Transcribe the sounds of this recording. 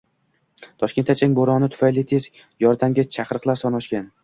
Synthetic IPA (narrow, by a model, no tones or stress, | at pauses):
t̪ʰɒʃkʲe̞nt̪ʰːat͡ʃʰaŋʲboɾɒnɪt̪ʰʊ̥fajlɪt̪ʰe̞zʲ | jɒɾd̪amɡʲat͡ʃʰaqɾɨqlˠaɾsɒnɒʃkʲan